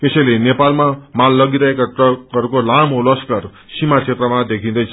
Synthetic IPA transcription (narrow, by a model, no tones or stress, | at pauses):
esʌjlenepalmamalːʌɡiɾʌɦekaʈʌkʌɾukolamolʌskar | simat͡sʰet̪rʌmad̪ekʰĩd̪ʌjt͡sʰʌ